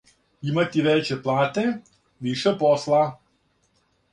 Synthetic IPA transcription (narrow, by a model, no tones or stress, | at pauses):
imat̪iʋɛt͡ʃɛplˠaːt̪ɛ | ʋiʃɛpɔslˠa